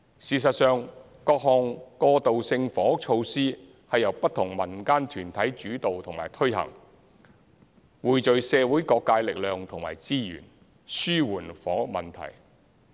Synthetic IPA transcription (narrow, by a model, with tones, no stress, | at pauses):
siː˨˩s̬ɐ˨t̚sœː˨˧ŋ | kɔː˧k̚hɔː˨ŋkɔː˧t̪o˨wsɪ˧ŋfɔː˨˥t͡ʃʰo˧wsiː˥ | hɐ˨jɐ˨˩wpɐ˥t̪ʰʊ˨˩ŋmɐ˨˩nkaː˥nt̪ʰyː˨˩nt̪ʰɐ˨˥jt͡ʃyː˨˥t̪o˨wt̪ʰʊ˨˩ŋma̰ː˨˩jt̪ʰɵ˥ɥhɐ̰˨˩ŋ | wuː˨jt͡ʃɵ˨ɥsɛː˨˧wu˨˥jkɔː˧kːaː˧jlɪ˨k̚lœː˨ŋt̪ʰʊ˨˩ŋma̰ː˨˩jt͡siː˥jy̰ː˨˩n | syː˥wuː˨˩nfɔ̰ː˨˥mɐ˨nt̪ʰɐ̰˨˩j